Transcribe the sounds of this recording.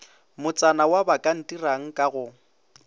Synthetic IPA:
mʊt͡sʼanawabakʼan̩tʼiraŋ̩kʼaɣʊ

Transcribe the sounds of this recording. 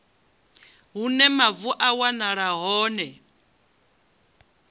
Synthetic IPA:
ɦunɛmavuʔawanaɺaɦɔːnɛ

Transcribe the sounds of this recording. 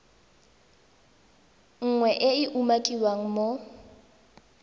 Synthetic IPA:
ŋ̩ŋwɛʔɪɪʔumakʼiwaŋ̩mo

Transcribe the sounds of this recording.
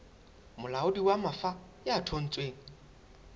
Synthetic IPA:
mʊlaʊdiwamafa | jatʰon̩t͡sʼweːŋ̩

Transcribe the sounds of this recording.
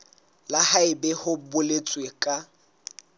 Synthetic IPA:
lahaɪbɛhʊbʊlet͡sʼwekʼa

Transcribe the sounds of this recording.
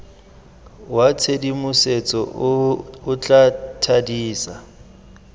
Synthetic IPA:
wat͡sʰedimʊset͡sʼɔ | ʊt͡ɬʼatʰadiːsa

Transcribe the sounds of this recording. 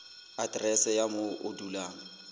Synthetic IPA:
adrɛsɛjamoʊ̰dulaːŋ̩

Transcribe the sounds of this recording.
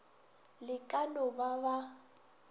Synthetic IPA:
lɪkʼanɔbaba

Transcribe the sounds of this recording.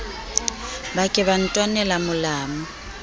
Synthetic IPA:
bakʼɛβan̩tʼwanɛlamʊlaːma

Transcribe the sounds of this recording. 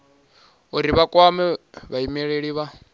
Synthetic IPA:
uɾiβakʼwamɛβaimɛɺeɺiβa

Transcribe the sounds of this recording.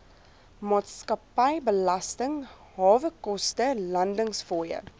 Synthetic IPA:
mɑːtskɐpɐjbəlɐstəŋ | ɦɑːvəkɔstəlɐndəŋsfɔjə̰

